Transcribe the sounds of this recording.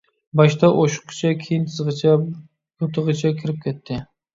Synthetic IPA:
baʃt̪ʰaʔoʃʊ̥qːt͡ʃʰakʲʰejɪnt̪ʰɨzʁɨt͡ʃʰa | jot̪ʰɨʁɨt͡ʃʰakʲʰɪɾɪp̚kʲʰet̪ʰːɪ

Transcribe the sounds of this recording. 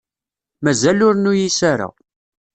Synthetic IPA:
mæzælʊɾnujisaɾa̰

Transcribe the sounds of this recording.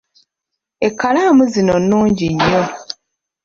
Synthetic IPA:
ekːalaːmuzino̞nːuːɲɟiɲːo̞

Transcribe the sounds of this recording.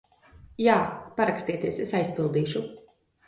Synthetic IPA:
jaːpaɾakst̪iɛt̪iɛsesajspilˠd̪iːʃu

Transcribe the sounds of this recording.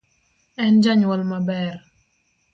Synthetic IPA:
ɛnd͡ʒaɲwɔlmabɛɾ

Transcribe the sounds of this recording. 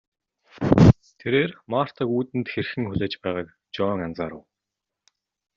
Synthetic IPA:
t̪ʰeɾeːrmaːr̥t̪ʰə̆kuːt̪ɘ̆nt̪xerxɘ̆ŋxʊɮʲeːt͡ɕpæːʁaːk | t͡ɕɔŋant͡saːɾə̰̆w

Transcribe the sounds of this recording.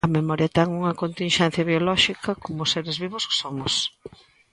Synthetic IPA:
ɐmemɔɾjɐt̪ɛŋuŋɐkont̪inʃɛn̟θjɐβjolɔʃikʰɐkomʊseɾezβiβʊsksomʊs

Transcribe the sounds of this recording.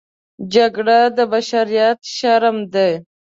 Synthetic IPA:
d͡ʒaɡɽad̪əbaʃaɾijat̪ʃaɾəmd̪e

